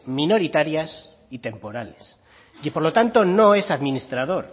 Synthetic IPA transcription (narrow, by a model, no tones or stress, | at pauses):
mĩno̞ɾit̪aɾjas | it̪e̞mpo̞ɾales | poɾlo̞t̪ant̪o̞no̞e̞saðmĩnist̪ɾaðo̞ɾ